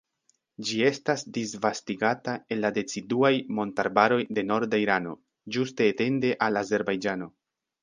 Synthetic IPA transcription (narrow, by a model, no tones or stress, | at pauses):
d͡ʒie̞stasdisvastiɡatae̞nlade̞t͡siduajmo̞ntaɾbaɾo̞jde̞no̞ɾdaiɾano̞̰ | d͡ʒuste̞ːte̞nde̞ʔalaze̞ɾbajd͡ʒano̞